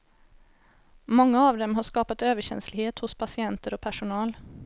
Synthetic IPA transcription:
mɔŋːəɑːʋd̪ɛmɦɑʂkɑːpət̪øːʋəɕɛ̰nslɪheːt̪hʊspʰɑsɪɛnt̪əɾɔpʰæʂʊnɑːl

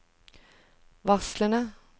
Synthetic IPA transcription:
ʋɑslənə

